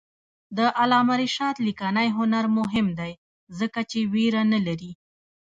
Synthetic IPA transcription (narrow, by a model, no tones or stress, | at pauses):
d̪əʔalɑmaɾiʃɑt̪likanajɦʊnaɾmʊɦɪmd̪aj | zəkat͡ʃeweɾanalaɾi